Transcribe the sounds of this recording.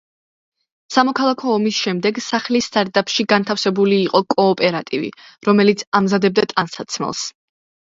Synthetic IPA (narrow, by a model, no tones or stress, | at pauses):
samɔkʰalˠakʰɔːmisʃɛmd̪ɛɡsaχlist̪ʼaɾt̪ʼapʼʃiɡant̪ʰafsɛbuliːqʼɔkʼɔːpʼɛɾat̪ʼivḭɾɔmɛlit̪sʰamzad̪ɛb̚d̪at̪ʼansat̪sʰmɛ̰lˠs